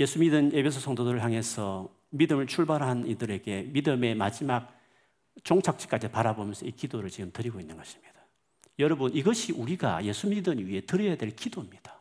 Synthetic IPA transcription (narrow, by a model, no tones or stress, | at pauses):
je̞sʰumidɯne̞pʰe̞s̬ʰosʰʌŋdodɯɾɯɭɦjaŋe̞sʰʌ | midɯmɯɭt͡ɕʰuɭbaɾɦanidɯɾe̞ɡe̞midɯme̞mad͡ʑimak̚ | t͡ɕoŋt͡ɕʰak̚t͡ɕ͈i̥k͈ad͡ʑipaɾabomjʌnsʰʌikidoɾɯɭt͡ɕiɡɯmtɯɾiɡoinːɯnɡʌɕʰi̥mɲid̥a | jʌɾʌbuniɡʌɕʰiʔuɾiɡa̰je̞sʰumidɯnɥie̞tɯɾʌjadwe̞ɭkidoimɲid̥ḁ